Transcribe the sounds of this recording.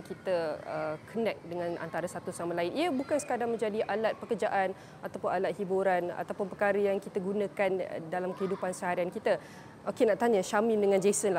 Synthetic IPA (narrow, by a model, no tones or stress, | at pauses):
kit̪əəkʰənɛk̚dəŋãna̰nt̪aɾasat̪usamalaɪnʔiəbukansə̥kadaŋmə̃ɲd͡ʒadiʔalat̪̚pəkərd͡ʒaʔan | at̪awpʊnalat̪̚hibuɾana̰t̪awpʊnpəkaɾəjaŋkit̪aɡunãkan̰dalamkəhidupansəɦaɾiankit̪a | ʔokenaʔt̪aɲãʃamĩmdəŋãnd͡ʒesənla